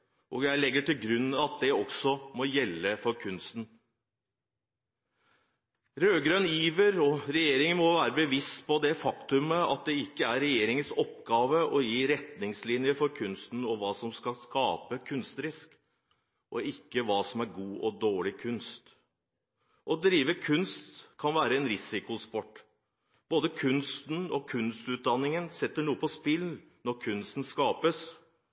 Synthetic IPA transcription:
ʔɔjæɪlɛɡːəʈʰɪlɡɾʉnːɑt̪̚d̪ɛɔksɔmɔjɛlːəfɔɾkʰʉnst̪n̩ | ɾøːɡɾœniːʋəɾɔɾɛjeːɾɪŋənmɔʋæːɾəbəʋɪst̪pʰɔd̪ɛfɑkt̪ʉməɑ̰t̪̚d̪ɛɪkːəæɾɾɛjeːɾɪŋənsɔpːɡɑːʋəʔɔjiːɾɛt̪nɪŋslɪnjəfɔɾkʰʉnst̪n̩ɔʋɑːsɔmskɑskɑːpəkʰʉnst̪ɾɪsk | ʔɔɪkːəʋɑːsɔmæɾɡuːʔɔd̪oːɭɪkʰʉnst̪ | ʔɔd̪ɾiːʋəkʰʉnst̪kʰɑnʋæːɾəɛnɾɪsɪkʊspɔʈː | b̥oːd̪əkʰʉnst̪n̩ɔkʰʉnst̪ʉːt̪̚d̪ɑnːɪŋənsɛt̪ːəɳuːəpʰɔspɪl | nɔɾkʰʉnst̪n̩skɑːpəs

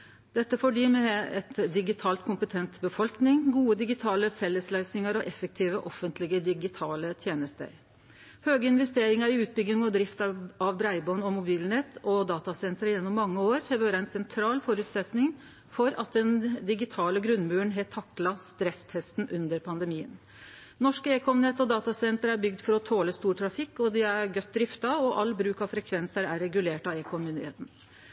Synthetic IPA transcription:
d̪̥ɛt̪ːəfɔɖiːmɛɛt̪d̪ɪɡɪt̪ʰɑːlt̪̚kʰʊmpət̪ʰɛnt̪bəfɔlknɪŋɡuːəd̪ɪɡɪt̪ʰɑːləfɛlːəslœʏsnɪŋəɾɔʔɛfːək̚t̪ʰiːʋəʔɔfənt̪ʰlɪɡəd̪ɪɡɪt̪ʰɑːlət̪ʰjeːnəst̪ə̰ɾ | høːɡəɪnʋɛst̪eːɾɪŋɑɾɪʉːt̪̚bʏɡ̪ːɪŋɔd̪ɾɪft̪ɑɑʋbɾæɪbɔnɔmʊbiːlnɛt̪ʰːɔd̪ɑːt̪ɑsɛnt̪ɾəjɛnːɔmːɑŋːəoːɾhɛʋøːɾɑæɪnsɛnt̪ʰɾɑːlfɔɾʉːt̪sɛt̪nɪŋ | fɔɾɑ̰t̪̚d̪ɛnd̪ɪɡɪt̪ʰɑːləɡɾʉnːmʉːəɳɦɛt̪ʰːɑkːlɑst̪ɾɛst̪ʰɛst̪n̩ʔʉnd̪əɾpʰɑnd̪əmiːə̰n | nɔʂkəeːkʰɔmnɛt̪ːɔd̪ɑːt̪ɑsɛnt̪əɾæbʏɡd̪fɔɾɔt̪ʰoːləst̪uːʈʰɾɑfɪkːɔd̪ɪæɾɡœt̪̚ːd̪ɾɪft̪ɑɔʔɑlːbɾʉːkɑʋfɾɛkʰʋɛnsəɾæɾɛɡʉleːʈɑeːkʰɔmʏnd̪ɪhḛːt̪n̩

